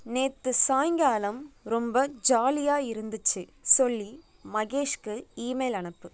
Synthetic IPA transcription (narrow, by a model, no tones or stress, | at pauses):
neːt̪ːɯsaːjŋɡaːlɐmɾɔmbɐd͡ʒaːlɪjaːɪɾɯnd̪ɯt͡ʃːɯsɔlːi | mɐɣeːʂkɯiːmɐɪlɐɳɐpːɯ